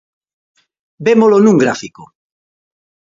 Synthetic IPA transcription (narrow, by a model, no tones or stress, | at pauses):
bemolonũŋɡɾafiko